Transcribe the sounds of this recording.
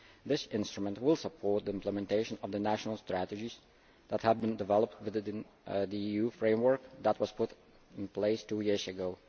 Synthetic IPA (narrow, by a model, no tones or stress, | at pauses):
d̪ɪsɪ̃nstɹəmə̃ntwɪlˠsəpʰɔɹt̚d̪iɪ̃mpləmɛ̃nteɪʃə̃nʌvdənæʃənl̩ˠstɹ̥ætəd͡ʒiz | ðæthəvbɪ̃ndɪvɛlˠəp̚twɪðn | d̪iijufɹẽɪ̃mwə˞kd̪ət̚wʌspʰʊt | ɪ̃npleɪstujɪɹzəɡoʊ